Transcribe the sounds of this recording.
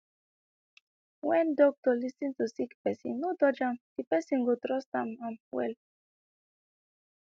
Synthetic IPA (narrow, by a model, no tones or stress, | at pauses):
wɛ̃ndɔk̚tɔlisĩntusikpɛsḭ̃nːodɔd͡ʒãmd̥ipɛsĩnɡotɹɔstãmãnwɛ̰l